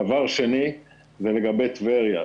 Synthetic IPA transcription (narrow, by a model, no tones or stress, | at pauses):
avaʁʃeni | zeleɡabet̪veʁja